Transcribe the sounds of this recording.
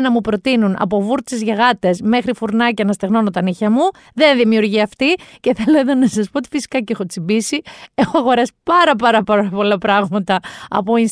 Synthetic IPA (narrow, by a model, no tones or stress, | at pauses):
nɐmupɾo̞t̪inunʔɐ̰po̞vuɾt̪t͡sezʝɐɣɐt̪e̞sme̞xɾifuɾnɐcɐnɐst̪eɣno̞not̪ɐniçɐmu | ðe̞nðimiuɾʝiɐft̪ice̞θe̞lo̞e̞ðo̞nɐsɐspo̞ot̪i̥fisi̥kɐce̞xo̞t͡simbisie̞xoɐɣo̞ɾɐsi̥pɐɾɐp̬ɐɾɐpɐɾɐpo̞lɐpɾɐɣmɐt̪ɐɐ̰po̞ins